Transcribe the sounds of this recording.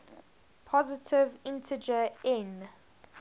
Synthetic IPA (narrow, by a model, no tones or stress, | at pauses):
pʰɔzɪtʰɪvɪ̃ntʰəd͡ʒəɛ̃n